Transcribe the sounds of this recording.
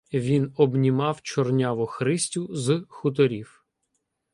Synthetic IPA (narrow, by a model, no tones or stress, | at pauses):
ʋʲinɔbnʲimɑwt͡ʃɔrnʲɑʋɔxɾɪsʲtʲʊzxʊt̪̬ɔɾʲiw